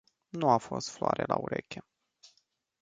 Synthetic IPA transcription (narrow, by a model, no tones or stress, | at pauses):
nuafo̞st̪floʔaɾelauɾekʲe